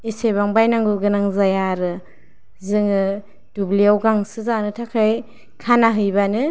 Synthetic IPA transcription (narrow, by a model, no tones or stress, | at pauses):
isebaŋbajnaŋɡuɡɯnaŋzajaɾɯ | zɯŋɯ | d̥ubliawɡaŋsɯzanɯtʰakʰaj | kʰanaɦɯjbanɯ